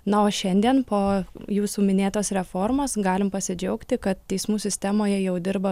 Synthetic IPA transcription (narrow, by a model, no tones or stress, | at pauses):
nɐoːʃʲɛnʲd̪ʲiɛnpoːjuːsuːmʲɪnʲeːt̪oːsɾʲɛfoːrmoːsɡɑːlʲɪmpɐsʲɪd͡ʒʲɛʊkt̪ʲɪkɐt̪̚tʲɛɪsmuːsʲɪsʲt̪ʲæmoːjɛjɛʊd̪ʲɪɾbɐ